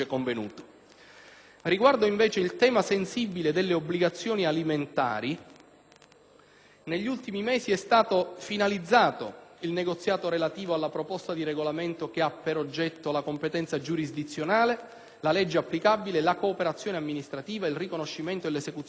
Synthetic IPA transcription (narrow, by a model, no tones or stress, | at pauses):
koɱvenuːt̪o̥ | riɡward̪oiɱvɛːt͡ʃeilt̪ɛːmasensibːiled̪elːeobːliɡat̪sːjoːnialiment̪a̰ːɾi | neʎːult̪imimɛːsiɛst̪aːt̪ofinalid̪zːaːt̪o̰ilneɡot̪sːjaːt̪oɾelat̪iːvoalːapɾopɔst̪ad̪iɾeɡolament̪ok̟eapːeɾod͡ʒːɛt̪ːolakompet̪ɛnt̪sad͡ʒuɾizd̪it̪sːjonaːle | lalɛd͡ʒːeapːlikabilelakoːpeɾat̪sjoːneamːinist̪ɾat̪iːvailrikonoʃːiment̪oelːesekut̪